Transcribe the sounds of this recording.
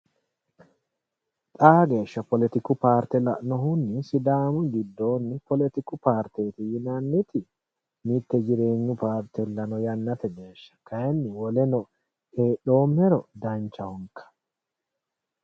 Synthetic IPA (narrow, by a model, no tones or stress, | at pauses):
t̪ʼaːɡe̞ːʃːɐpɔlɛt̪ɪkʊpaːɾt̪ɛlɐnɔɦʊnːɪsɪd̪aːmʊɡɪd̪ːo̞ːnːɪpɔlɛt̪ɪkʊpaːɾt̪eːt̪ɪjɪnanːɪt̪ɪ | mɪt̪ːɛd͡ʒɪɾe̞ːɲːʊpaːɾt̪ɛlːɐnɔjɐnːɐt̪ɛɡe̞ːʃːɐ̥kɐɛnːɪwɔlɛnɔ | heːɗo̞ːmːɛɾɔd̪ɐnt͡ʃːɐwɔŋkʰːɐ̥